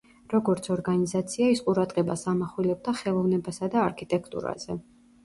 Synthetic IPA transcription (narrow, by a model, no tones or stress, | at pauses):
ɾɔɡɔɾt̪sʰɔɾɡanizat̪sʰiaisqʼuɾad̪ʁɛbasamaχwilɛb̚d̪aχɛlˠɔvnɛbasad̪aːɾkʰit̪ʼɛkʰt̪ʼṵɾa̰z̥ɛ